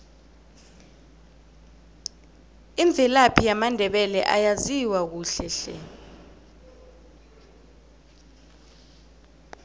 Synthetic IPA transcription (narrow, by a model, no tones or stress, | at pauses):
iɱb̪vʱɛlapʰijamandʱɛɓɛlɛʔa̰jaziwak̬uːɬɛɬɛ̰